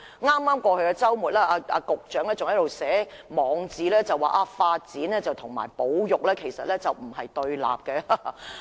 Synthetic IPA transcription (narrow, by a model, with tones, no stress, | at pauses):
ŋaː˥mːaː˥mkʷɔː˧kʰɵ˨˧ɥkɛ˧t͡sɐ˥wmuː˨t̚lɛː˥ʔaː˧a̰ː˧kʊ˨k̚t͡ʃœː˨˥ŋlɛː˥t͡sʊ˨ŋhɐ˦˥lo˨wsɛː˨˥mɔː˨˧ŋt͡siː˨lɛː˥t͡sɐ˨wːa̰ː˨ʔaː˧faː˧t̚t͡siː˨˥nlɛː˥t͡sɐ˨wt̪ʰʊ˨˩ŋma̰ː˨˩jpo˨˥wjʊ˨k̚lɛː˥kʰe˨˩jsɐ̰˨t̚lɛː˥t͡sɐ˨wm̩˨˩ɦɐ˨jt̪ɵ˧ɥla̰ː˨p̚kɛ˧a˧